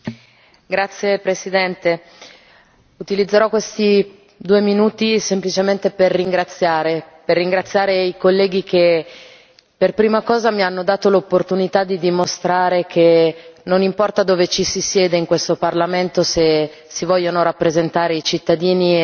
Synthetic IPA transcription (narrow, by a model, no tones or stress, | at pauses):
ɡɾat̪sːjepɾesid̪ɛnt̪e | ut̪ilid̪zːeɾɔkwest̪i | d̪uːeminuːt̪isemplit͡ʃement̪eperːiŋɡɾat̪sːjaːɾe | perːiŋɡɾat̪sːjaːɾeikolːɛːɡike | perpɾiːmakɔːzamianːod̪aːt̪olopːort̪unit̪ad̪ːid̪imost̪ɾaːɾekʰenonimpɔrt̪ad̪oːvet͡ʃisisjɛːd̪eiŋkwest̪oparlament̪ose | sivɔʎːonoɾapːɾezent̪aːɾeit͡ʃit̪ːad̪iːni